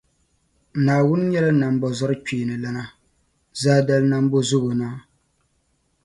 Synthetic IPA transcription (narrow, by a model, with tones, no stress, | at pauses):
naː˨wʊ˦n˦ɲɛ˦la˦na˨m˦bɔ˨zɔ˦ɾɨ˦k͡peː˨nɨ˨la˦na˦ | zaː˦da˦lna˦m˦bo˦zʊ˦ɡo˨na˦